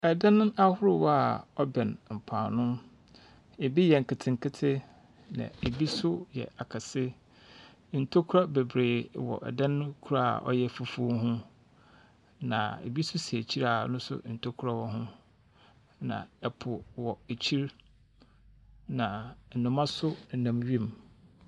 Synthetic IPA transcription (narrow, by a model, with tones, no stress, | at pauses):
ɛ˨dã˦ñ˦a˦hʊ˦ɾʊ˦wɔ˦a˨ɔ˦bɛ̃˨nm̩˨pʰãː˨nʊ̃˦ | e˨bi˦jɛ˨ŋ̩˨kʰɪ˨tʰɪ̃˨ŋ˨kʰɪ˦tʰɪ˦ | nã̰˨e˨bi˦sʊ˦jɛ̰˨a˨kʰa˨sɪ˦ | n̩˨tʰo˦kʰʊ˦ɾa˦be˨bɾeː˨wɔ̰˨ʔɛ̰˨dã˦nːʊ̃˦kʰu˦ɾa˦a̰˨ʔɔ̰˦jɛ˦fu˨fu˦o˦ɦʊ̃˦ | nã̰˨ḛ˨bi˦sʊ˦si˨æ˨t͡ɕʰi˦ɾa˨nʊ̃˦sʊ̰˦n̩˨tʰo˦kʰɾa˦wɔ˦ɦʊ̃˦ | nã̰˨ɛ˨pʰʊ˨wɔ˨e˨t͡ɕʰi˦ɾ | nã˨n̩˨nʊ̃˨mã˦sʊ˦n̩˨nã˨mɥi˦˨m